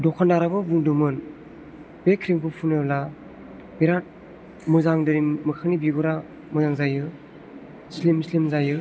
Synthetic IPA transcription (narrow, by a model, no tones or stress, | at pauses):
dɔkʰanaɾabɯbuŋdɯmɯn | bekʰɾiŋpʰupʰunela | beɾat̚ | mɯzaŋdɯɾimːɯkʰanibiɡɔɾa | mɯzaŋzajɯ | slimslimzajɯ